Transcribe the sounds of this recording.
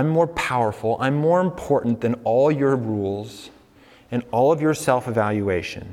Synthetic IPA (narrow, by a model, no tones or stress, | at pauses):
ɪ̃mːɔɹpʰaʊə˞fl̩ˠã̰ɪ̃mːɔɹɨ̃mpʰɔɹʔn̩ðɨ̃nɔlˠjə˞ɹulˠz | ɨ̃nɔlˠʌvjə˞sɛlˠfɨvælˠjueɪʃɨ̰̃n